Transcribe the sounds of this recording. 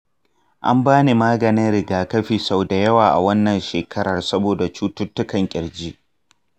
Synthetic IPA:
ʔa̰˦mbaː˦ne˨maː˦ɡɐ˨nɪ˦nɾɪ˨ɡaː˦kɐ˦ɸiː˨sa˦˨wda˨jɐ˦waː˨ʔa̰˨wɐ˦nːɐ˨nʃeː˨kʰɐ˦ɽɐ˨rsɐ˦boː˨da˨t͡ʃuː˦tʊ˦tːʊ˦kɐ˨ŋkʲʼɪ˨ɽd͡ʒiː˦ʔ

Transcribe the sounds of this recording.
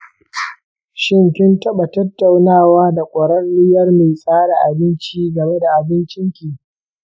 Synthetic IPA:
ʃɪ˦˨ŋkʲɪ˦ntɐ˦ɓa˨tɐ˦tːa˨wnaː˦˨waː˦da˨kʷʼɔ˨ɽɐ˦nːɪ˦jɐ˦rma˨jsʼaː˦ɽa˨ʔa˨bɪ˦nt͡ʃiː˦ɡɐ˨me˦da˨ʔa˨bɪ˦nt͡ʃɪ˦ŋkʲiː˨

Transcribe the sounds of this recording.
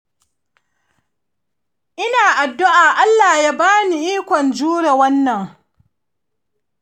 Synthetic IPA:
ʔɪ˦naː˨ʔa˨dːʊ˦ʔaː˨ʔa˦lːaː˨jaː˦baː˦ni˨ʔiː˦kʷɔ˨nd͡ʒuː˦ɽe˨wɐ˦nːɐ˨ŋ

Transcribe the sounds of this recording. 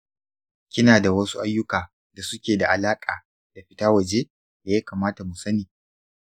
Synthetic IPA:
kʲɪ˦naː˨da˨wɐ˦su˦ʔa˦jːʊ˦kaː˨ | da˨sʊ˦kʲeː˨da˨ʔa˨laː˦kʼaː˨ | da˨ɸɪ˦taː˦wɐ˨d͡ʒe˦ | da˨jaː˦kaː˨maː˦ta˨mu˨sɐ˦niː˨

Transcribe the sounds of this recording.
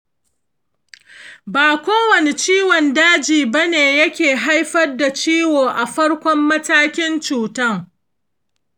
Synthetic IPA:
baː˨kʷoː˦wɐ˨ne˨t͡ʃiː˦wɔ˨ndaː˦d͡ʒiː˨bɐ˦neː˨jɐ˦kʲeː˨ɦa˦jɸɐ˦rda˨t͡ʃiː˦woː˨ʔa˨ɸɐ˦ɽkʷɔ˦mːɐ˦taː˦kʲɪ˦nt͡ʃuː˨tɐ˦ŋ

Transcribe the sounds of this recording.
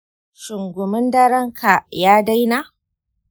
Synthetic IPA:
ʃʊ˨ŋɡʷʊ˨mɪ˦ndɐ˦ɾɐ˦ŋkʰa˨jaː˦da˦jna˦

